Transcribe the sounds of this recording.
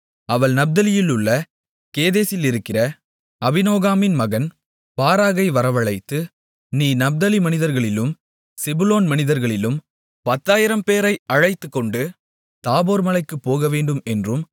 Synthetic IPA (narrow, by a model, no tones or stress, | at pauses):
ɐʋɐɭnɐb̚d̪ɐlɪjɪlʊɭːɐ | keːðeːsɪlɪɾɯkːɪrɐ | ɐbɪnoːɣaːmɪnmɐɣɐn | paːɾaːɣɐɪʋɐɾɐʋɐɭɐɪt̪ːɯ | niːnɐb̚d̪ɐlimɐnɪðɐɾɣɐɭɪlɯm | sɪbʊloːnmɐnɪðɐɾɣɐɭɪlɯm | pɐt̪ːaːjɪɾɐmpeːɾɐɪɐɻɐɪt̪ːɯkːɔɳɖɯ | t̪aːboːɾmɐlɐɪkːɯpːoːɣɐʋeːɳɖɯmɛndrɯm